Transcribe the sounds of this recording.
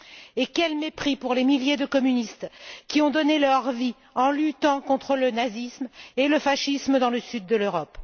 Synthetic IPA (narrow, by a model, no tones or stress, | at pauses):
ekʲɛlmepχipuʁlemiljed̪əkɔmynist̪kʲiɔ̃d̪ɔnelœʁvi | ɑ̃lyt̪ɑ̃kɔ̃t̪χələnazismeləfaʃisməd̪ɑ̃ləsyd̪ːəløʁɔp